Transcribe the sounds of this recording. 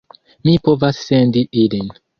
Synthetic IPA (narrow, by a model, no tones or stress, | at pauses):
mipo̞vasːe̞ndiʔilin